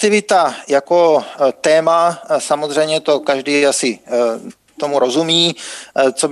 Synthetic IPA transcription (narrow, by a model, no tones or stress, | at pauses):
t̪ɪvɪt̪ajako̞t̪ɛːmasamozr̝ɛjmɲɛt̪o̞kaʒdiːasɪ | t̪o̞muɾo̞zumiːt͡so̞b